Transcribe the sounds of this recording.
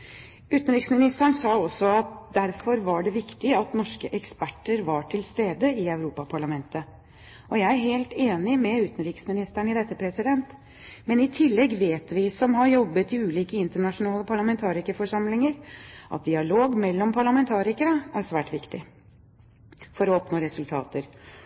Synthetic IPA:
ʉːt̪n̩ɾiːksmɪnɪst̪əɳsɑːɔsːɔɑt̪̚d̪æɾfɔɾʋɑɖɛʋɪkt̪ɪɑt̪nɔʂkəʔɛkspæʈːəɾʋɑʈʰɪlst̪eːd̪əɪæʉɾuːpɑpʰɑɭɑmɛnt̪ə | ʔɔjæɪæɾɦeːlt̪eːnɪmɛʉːt̪ən̩ɾiːksmɪnɪst̪æɳɪd̪ɛt̪ːəpʰɾɛsɪd̪ɛnt̪ | mɛnɪt̪ʰɪlːɛɡʋeːt̪ʋɪsɔmɦɑɾjɔbːət̪ɪʉːliːkəɪnt̪əɳɑʂʊnɑːləpʰɑɭɑmɛnt̪ʰɑːɾɪkəfɔʂɑmlɪŋəɾʔɑ̰t̪̚d̪ɪɑloːɡmɛlːɔmpʰɑɭɑmɛnt̪ʰɑːɾɪkəɾəæɾsʋæːʈʋɪkt̪ɪ | fɔɾɔɔpnoːɾɛsʉlt̪ʰɑ̰ːt̪əɾ

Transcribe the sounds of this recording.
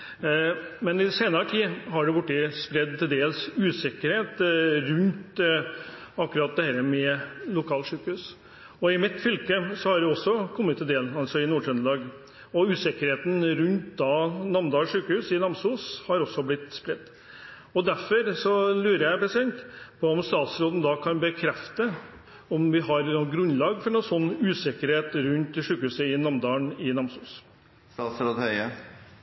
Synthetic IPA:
mɛnɪseːnɑɾəʈ̪ʰiːɦɑɖɛbʊʈːəspɾɛd̪t̪ʰɪld̪eːlsʉːsɛkəɾheːt̪ɾʉnt̪ | ɑkːʉɾɑt̪̚d̪ɛhæːɾəmɛlʊkʰɑːlʂʉːkəhʉːs | ɔɪmɪt̪fʏlkəsɔhɑɖɛɔsːɔkʰɔmːət̪ʰːɪld̪eːlɑlsɔɪnuːɖɾœnlɑːɡ | ɔʉːsɛkəɾheːt̪nɾʉnt̪d̪ɑnɑmd̪ɑːʂʉːkəhʉːsɪnɑmsuːshɑɾɔsːɔblɪt̪spɾɪt̪ː | ɔd̪æɾfɔɾsɔlʉːɾəjæɪpʰɾɛsɪd̪ɛnt̪pʰɔɔmst̪ɑːt̪sɾoːd̪nəd̪ɑkʰɑnbəkʰɾɛft̪ə | ɔmʋɪɦɑɾnɔɡɾʉnlɑːɡfɔɳnɔsɔnːʉːsɪkəɾheːt̪ɾʉnt̪ʂʉːkəhʉːsəɪnɑmd̪ɑːəɳɪnɑmsuːs | st̪ɑːt̪sɾoːd̪hœʏə

